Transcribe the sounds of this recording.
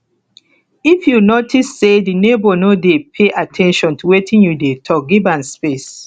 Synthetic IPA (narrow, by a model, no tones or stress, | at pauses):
ifjunotʰisːedinebonodepʰeʔatʰɛ̃nʃɔ̃ntuwetʰĩnjudetʰɔk̚ɡibãnspes